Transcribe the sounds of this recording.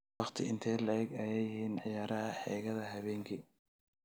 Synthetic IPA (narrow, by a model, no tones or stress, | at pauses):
ɑχt̪ʰɪʔɪnt̪ʰɛjlɐɛɡɛjɛjɪhiːnʕɪjaːɾɐɦɐħɛːɣɐðɐɦɐβɛːŋkʰi